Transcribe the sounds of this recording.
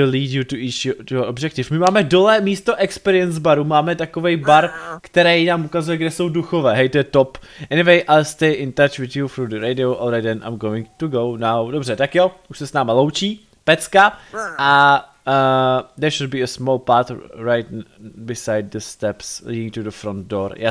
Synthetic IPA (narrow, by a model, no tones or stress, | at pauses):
uliːdjut̪uit͡ʃjutuʔobd͡ʒɛk̚t̪ɪfmɪmaːmɛdo̞lɛːmiːst̪o̞ʔɛkspɛɾɪɛnzbaɾumaːmɛt̪akovɛjbaɾkt̪ɛɾɛjnaːmʔukazujɛɡdɛso̞wduxovɛːɦɛjt̪ojɛt̪op | ʔɛnɪwejʔajlst̪ejʔɪ̃ntat͡ʃwɪðjufɾud̪əɾejdɪoʔolɾɛdɛnʔã̰jmɡowɪŋtuɡownawdobr̝ɛt̪akjoʔuʃsɛsnaːmalowt͡ʃiː | pɛt͡skaʔa | d̪ɛʃud̚biːəsmolˠpaɾt̪ɾajt̪bɪsajddəst̪ɛpsliːdɪŋt̪udəfɾont̪̚doɾjʔa̰ː